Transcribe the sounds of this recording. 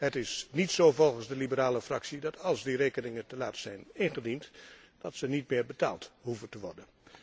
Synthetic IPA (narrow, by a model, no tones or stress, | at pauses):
ɦətɪsnitsoːvɔlˠχənzdəlibəɾaːləfrɑksidɑtʰɑlˠzdireːkənɪŋəntəlaːtsɛjnɪnχədint | d̥ɑtsənitmɪːɹbəta̰ːlˠtɦuvəntəʋɔ̰ɹdən